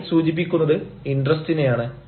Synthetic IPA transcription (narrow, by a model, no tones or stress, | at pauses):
suːd͡ʑip̬ːikʲːunːɐðɨinɖrɐstinejaːɳɨ